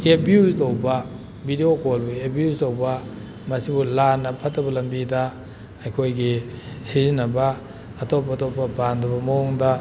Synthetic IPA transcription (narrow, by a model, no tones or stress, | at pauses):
ebiuztowbɐ | bidiokolbuebiuztowbɐ | mɐsibulanɐpʰɐtːɐbɐlɐmbidɐ | ɐjkʰojɡisizinːɐbɐ | ɐtop̬ːɐtopːɐbandɐbɐmɐɔŋdɐ